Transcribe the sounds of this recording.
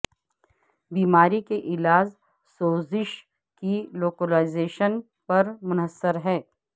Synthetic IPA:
biːmaːɾikeʔɪlaːz | soːzɪʃ | kiloːkəlaːɪzeːʃən | pɐɾmʊnəsːəɾɦɛ̃ː

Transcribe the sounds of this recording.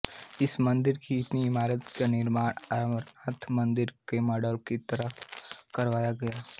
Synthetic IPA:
ɪsmɐ̃nd̪ɪɾkiɪt̪niɪmaːɾət̪kanɪɾmaːɽəɾat̪ʰmɐ̃nd̪ɪɾkemɔːɖəlkit̪ɐɾəɦkɐɾʋaːjaɡɐjaː

